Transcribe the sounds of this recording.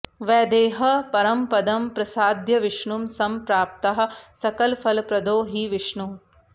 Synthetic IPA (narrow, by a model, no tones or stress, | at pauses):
ʋɛːd̪eːɦɐpɐɾɐmpɐd̪ɐmpɾɐsaːd̪ʱjɐʋiʂɳumsɐmpɾaːp̚t̪ɐɦɐ̆sɐkɐlfʰɐlpɾɐd̪oːɦiʋiʂɳum